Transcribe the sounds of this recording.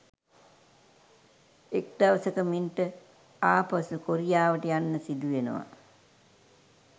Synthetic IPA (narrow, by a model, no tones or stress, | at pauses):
ek̚d̪aʋəsəkəminʈə | aːpasukoɾijaːʋəʈəjanːəsid̪uʋenə̰ʋa̰